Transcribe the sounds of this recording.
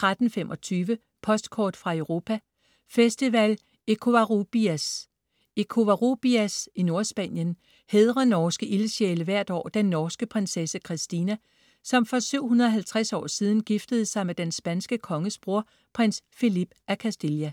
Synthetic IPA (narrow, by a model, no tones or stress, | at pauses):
t͡sʰʁad̥n̩femʔɒ̽t͡sʰyːʋə | pʰɒ̽sd̥kʰɒ̰ːd̥fʁɑ̈eʊʁo̝ːpʰæ | fesd̥iʋæl | ekʰo̝ʋæʁob̥iæs | e̝kʰo̝ʋæʁob̥iæsino̝ɐsb̥æn̰jən | heðˠʁɐnɒːsɡ̥əʔiləɕeːləʋæɐ̰d̥ɒ̰ːd̥enːɒːsɡ̥əpʰʁɛnsesəkʰʁisd̥inæ | sɒ̽mfɒ̽syʊ̰hunɐɒɦælt͡sʰʁasɒ̰ːsiːð̞ˠn̩ɡ̥ifd̥əð̞̩ˠsɑ̈ɪmed̥ensb̥ænsɡ̥əkʰɒ̽ŋəsb̥ʁo̝ɐ̰ | pʰʁensfilib̥ʔækʰæsd̥iljæ